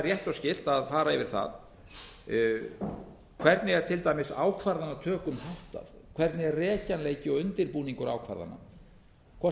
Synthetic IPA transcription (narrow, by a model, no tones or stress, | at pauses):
rjɛht̪awscɪl̥t̪aðfaːɾaɪvɪɾ̥θa̰ð | kʰv̥ɛɾt̪nɪɛɾ̥t̪ʰɪlt̪ajmɪsaːwkʰvaɾðanːat̪ʰœːkʏmhawht̪a̰ð | kʰv̥ɛɾt̪nɪɣɛrrɛːcanleːjcɪɔɣʏnt̪ɪɾpuːniŋkʏɾa̰ːwkʰva̰ɾða̰na̰ | kʰva